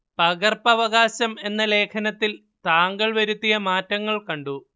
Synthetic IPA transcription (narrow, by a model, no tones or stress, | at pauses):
pɐɣɐrpɐʋɐɣaːɕɐme̞nːɐle̞ːkʰɐnɐt̪ːil | t̪aːŋɡɐɭʋɐɾut̪ːijɐmaːtːɐŋːɐɭkɐɳɖu